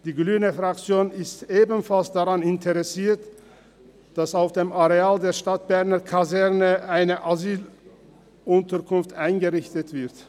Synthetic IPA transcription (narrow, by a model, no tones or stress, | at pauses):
d̥iːɡlyːnəfʁak̚t͡sjoːnɪsteːbn̩falsd̥aʁanɪntʰəʁɛsiːɐt | d̥asaʊfd̥eːmaʁeaːldeːɐʃtat̚b̥ɛɐnɐkʰazɛʁnəʔaɪnəʔazyːl | ʔʊntɐkʰʊnftʔaɪnɡəʁɪçtətv̥ɪɐt